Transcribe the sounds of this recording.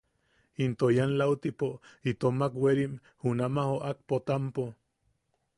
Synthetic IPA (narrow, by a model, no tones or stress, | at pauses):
int̪ojanlaut̪ipoit̪omakweɾim | hunamahoʔak̚pot̪ampo